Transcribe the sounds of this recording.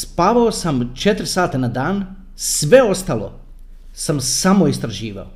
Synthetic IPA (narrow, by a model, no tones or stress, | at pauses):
spaːʋaosamt͡ʃe̞t̪ɾsaːt̪anad̪aːn | sʋe̞o̞st̪alo̞̰ | samsamoist̪ɾaʒiːʋa̰o